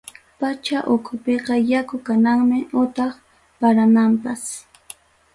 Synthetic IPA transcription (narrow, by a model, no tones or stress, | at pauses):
pat͡ʃaʔʊkʰʊpeqɑjakʊkanaŋmɪʊt̪ɑχ | paɾanampas